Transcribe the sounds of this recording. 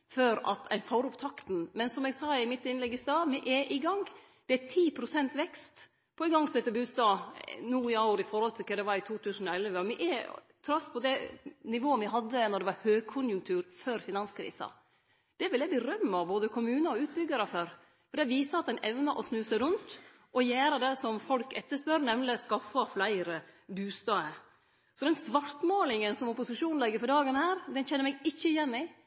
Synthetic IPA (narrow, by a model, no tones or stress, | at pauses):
fœɾɑ̰t̪ʰæ̰ɪnfɔɾʊpt̪ʰɑkt̪n̩mɛnsɔmɛɡsɑːɪmɪt̪ːɪnlɛɡːɪsd̪ɑːmɪʔɛʔɪɡɑŋɡ | d̪̥ɛæt̪ʰiːpʰɾʊsɛnt̪ʋɛkst̪ | pʰɔɪɡɑŋːsɛt̪ːəbʉːst̪ɑːnuːɪɑʊɾɪfɔɾhɔlt̪ʰɪlkʰɛd̪ɛʋɑɾɪt̪ʰuːt̪ʰʉːsənɔɛlʋəɔmɪʔɛ | t̪ʰɾɑspʰɔd̪ɛnɪʋoːəmɪɦɑd̪ːənɔɖɛʋɑɾhøːɡ̚kʰʊnjʉŋkt̪ʰʉːɾføɾfɪnɑnskʰɾḭːsɑ̰ | d̪̥ɛʋɪljæɪbəɾœmːɑboːd̪əkʰʊmʉːnɑɔʉːt̪̚bʏɡːəɾəføːɾ | fɔd̪æʋiːsəɑt̪̚d̪ɛnʔɛʋnɑʔɔsnʉːsəɾʉnt̪ | ʔɔjæːɾəd̪ɛsɔmfɔlkɛt̪ːəʂpœɾnɛmnlɪskɑfɑflæɪɾəbʉːst̪ɑːə | sɔd̪ɛnsʋɑɾt̪moːlɪŋənsɔmɔpʊsɪʂuːn̩lɛɡːəɾfɔɖɑːɡənhæːɾd̪ɛnçɛnːəɾmɛɡɪçːəjɛnːɪ